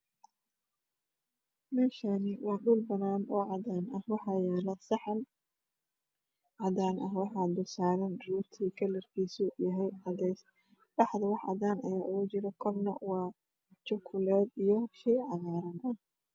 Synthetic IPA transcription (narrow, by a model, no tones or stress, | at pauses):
mɛːʃanɪwɑːɖʊlbɐnaːnɔːʕɑðaːnɐhwɑħɑːjɛːlɐsɑħɑn | ʕɑdaːnʔɐɦwɑħɑːb̪ʊsaːɾɐnruːrt̪ʰikʰɐlɐrkʰiːsuːjɐɦɛjʕɑðɛjs | ɗɑħd̪ɐwɑħʔɑ̰ðaːnɐjaːʔʊɣʊt͡ʃɪɾɐkʰɔrnɐ̰wɑː | t͡ʃɔkʰʊlɛːd̪ijɔʃiːʕɑɣaːɾɐnɐh